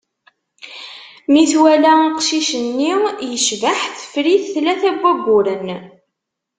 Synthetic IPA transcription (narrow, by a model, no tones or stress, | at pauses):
miθwælæqʃiʃənːijəʃvəħθə̥fɾiθθlæθæɡʷːæɡʷːʊɾən